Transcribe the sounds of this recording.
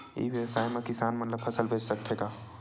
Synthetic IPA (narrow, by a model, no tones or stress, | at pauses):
ḭʋjɐwsaːjmẽkɪsaːnmɐt̪ləb̚pʰɐsəlbʱeːd͡ʒsɐk̚t̪ʰeːɡaː